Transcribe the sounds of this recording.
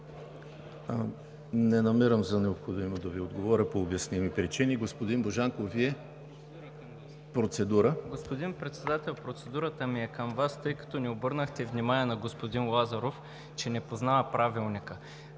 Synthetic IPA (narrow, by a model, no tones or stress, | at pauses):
nɛnɐmiɾəmzɐnɛopxod̪imod̪ɐviod̪ɡovɔɾʲəpoːbjɐsnimipɾit͡ʃiniɡospod̪inboʒaŋkoviɛ | pɾot̪sɛd̪uɾəɡospod̪inpɾɛt̪sɛd̪at̪ɛlˠpɾot̪sɛd̪uɾət̪əmiɛkəmvast̪ɤjkɐ̥t̪ɔniobɤɾnəxt̪ɛvnʲimaniɛnɐɡospod̪inlˠazɐɾof | t͡ʃɛnɛpoznaɐpɾavilˠnikə